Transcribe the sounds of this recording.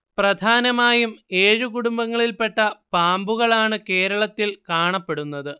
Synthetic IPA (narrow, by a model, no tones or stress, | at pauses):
prɐd̪ʱaːnɐmaːjumeːɻukuɽumbɐŋːɐɭilpe̞ʈːɐpaːmbuɣɐɭaːɳɨke̞ːɾɐɭɐt̪ːilkaːɳɐpːe̞ɽunːɐðɨ